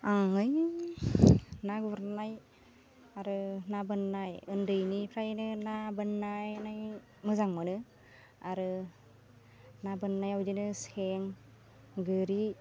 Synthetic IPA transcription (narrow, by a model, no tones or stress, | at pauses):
aŋŋɯj | naɡubɾnaj | aɾɯnabɯnːajɯndɯjnipʰɾajnɯnabɯnːajnaj | mɯzaŋmɯnɯ | aɾɯ | nabɯnːajawdinɯseŋ | ɡɯɾi